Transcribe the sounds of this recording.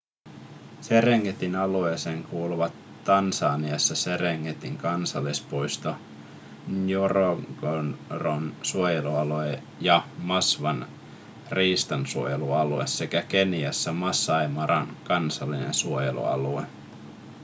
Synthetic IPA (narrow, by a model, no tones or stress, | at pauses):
se̞ɾeŋːet̪inɑlueseŋkuːluʋɑt̪ːɑnsɑːniɑsːɑse̞reŋːet̪iŋkɑnsɑlːispojst̪o | joroɡ̥onronsuojeluɑloe | jɑmɑsʋɑn | riːst̪ɑnsuojeluɑluesːe̞kæke̞niɑsːɑmɑsːɑjmɑɾɑ̰nkɑnsɑlːinḛnsuojḛlṵɑ̰lue